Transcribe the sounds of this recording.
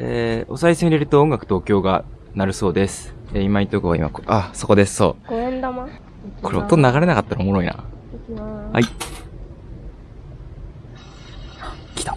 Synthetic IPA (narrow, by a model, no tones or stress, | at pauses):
eːo̞saiseiɾʲeɾɯ̟t̪o̞oŋɡakɯ̟t̪oːkʲo̞ːɡa | naɾɯ̟so̞ːd̪e̞sɨ̥ | eimait̪ːokɯβaḭma̰koaso̞ko̞d̪e̞sɨ̥so̞̰ːɡ̥oẽnd̪ama | kʰoɾeot̪ːonaɡaɾe̞nakat̪ːaɾaomo̞ɾo̞ina̰ | ha̰i | kʲi̥t̪